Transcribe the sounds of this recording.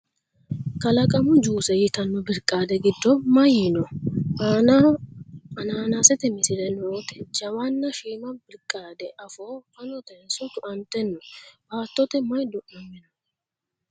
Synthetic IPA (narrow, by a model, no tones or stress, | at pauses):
kɐlɐkʼɐmʊd͡ʒuːsɛjɪt̪ɐnːɔbɪɾkʼːaːd̪ɛɡɪd̪ːɔmɐjɪnɔ | ɐnaːnaːsɛt̪ɛmɪsɪɾɛnoːt̪ɛd͡ʒɐwanːɐʃiːmɐbɪɾkʼːaːd̪ɛʔɐfoːkɐnɔt̪ɛnsʊt̪ʊʔɐnt̪ːɛnːɔbaːt̪ːɔt̪ɛmɐjd̪ʊʔɔmːɪnɐ